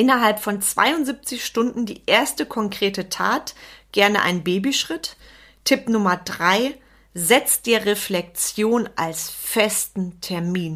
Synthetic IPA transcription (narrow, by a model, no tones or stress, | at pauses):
ʔɪnɐɦalpfɔnt͡sv̥a̰ɪʊnziːp̚t͡sɪçʃtʊndn̩dḭːʔeːɐstəkʰɔŋkʁ̥eːtətʰa̰ːtɡ̥ɛɐnəʔa̰ɪnnbeːbiʃʁ̥ɪt | tʰɪpnʊmɐdʁaɪ | zɛt͡sd̥eːɐʁeflɛk̚t͡sjoːnʔalsfɛstn̩tʰɛɐmiːn